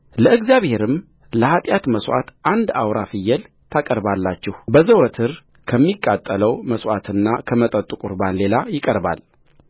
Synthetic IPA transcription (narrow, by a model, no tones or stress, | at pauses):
ləʔɨɡzjaβhe̞ɾɨm | ləhat̪ʼjat̪məswa̰t̪ʔand̪awɾafɨjːɛl | t̪ʰakʼəɾbalːat͡ʃːɪhbəzəwɔt̪ʰɨɾ | kʰəmːikʼːat̪ʼːələwməswat̪ʰɨnːakʰəmət̪ʼət̪ʼːukʼuɾbanle̞lajɪkʼəɾba̰l